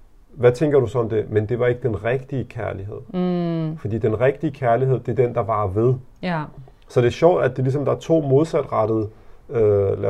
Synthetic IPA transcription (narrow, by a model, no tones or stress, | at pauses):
ʋæt͡sʰeŋɡ̥ɐɾ̥usɒ̽ɒ̽md̥e̝mend̥e̝ʋɑ̈e̝ɡ̥əd̥enʁɛɡ̥d̥iəkʰæɐliɦe̝ð̞̰ˠfɒd̥ḭːd̥enʁɛɡ̥̚d̥iəkʰæɐliɦe̝ð̞̰ˠd̥ed̥end̥ɑ̈ʋɑ̈ʋe̝ð̞ˠ | sɒ̽d̥e̝æɐɕɒʊ̰d̥æd̥elis̬ɒ̽md̥ɑ̈æɐt͡sʰo̝̰ːmo̝ð̞ˠsæd̥ʁɑ̈d̥əð̩ˠølæ